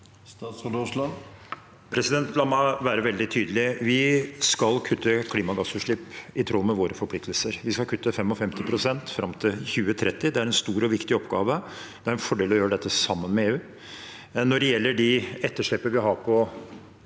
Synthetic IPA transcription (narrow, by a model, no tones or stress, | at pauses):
sɑːsld̪ɔʂlɑn | pʰɾɛsɪd̪ɛnt̪lɑmɑʋæːɾəʋɛld̪ɪt̪ʰyːd̪əlɪʋɪskɑlkʰʉt̪ːəkʰliːmɑɡɑsʉːʂɭɪpːɪt̪ʰɾɔlmɛʋoːɾəfɔɾpʰlɪkt̪əlsəɾʋɪskɑlkʰʉt̪ʰːəfɛmɔfɛmt̪ɪpʰɾʊsɛnt̪fɾɑmt̪ʰɪlçʉːət̪ʰɾɛt̪ːɪd̪ɛæɾɛnst̪uːɾɔʋɪkt̪ɪɔpɡɑːʋə | d̪ɛæɾɛnfɔɖɛːlɔjøːɾəɖɛt̪ːəsɑmːənmɛeːʉː | nːɔɖɛjɛlːəɖɪɛt̪ːəʂɭɪpːəʋɪɦɑːkʰɔ